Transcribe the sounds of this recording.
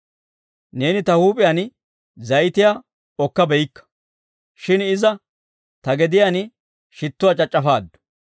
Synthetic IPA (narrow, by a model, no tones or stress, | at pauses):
ne̞ːnɪt̪ɐhuːpʼɪjaːn | zɐjt̪ɪjaː | ɔkːɐbɛjɪkːɐ̥ | ʃɪnɪzɐ | t̪ɐɡɛd̪ɪjaːn | ʃɪt̪ːʊwaːt͡ʃʼɐt͡ʃʼːɐfaːd̪ːʊ̥